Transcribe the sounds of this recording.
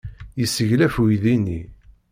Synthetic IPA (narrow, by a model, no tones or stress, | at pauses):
jəsːəʝlæfuiðinːi